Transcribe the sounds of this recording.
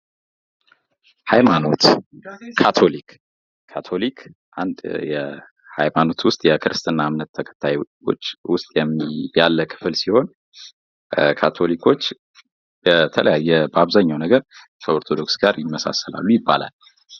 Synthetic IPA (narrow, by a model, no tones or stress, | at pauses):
hajmano̞t̪kʰat̪ʰo̞likʰː | at̪ʰo̞likʰ | ʔand̪jɛ | hajmano̞t̪wʊst̪ʼjɛkʰɨɾɨst̪ʼɨnːamnət̪ʰːəkʰə̥t̪ʰːajwo̞̰t͡ʃːwʊst̪ʼjɛmːijalːəkʰɨ̥fɨlsiho̞n | kʰat̪ʰo̞likʰo̞t͡ʃː | bət̪ʰələjajːɛbəaβzaɲːawnəɡəɾ | kʰəo̞ɾt̪ʰo̞d̪o̞ksɡaɾjɪmːəsa̰səla̰lːujɪbːa̰la̰l